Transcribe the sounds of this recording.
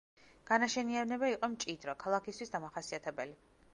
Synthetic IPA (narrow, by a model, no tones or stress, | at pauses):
ɡ̥anaʃɛnianɛbaiqʼɔmt͡ʃʼid̪ɾɔkʰalˠakʰist̪ʰwisd̪amaχasiat̪ʰɛbɛli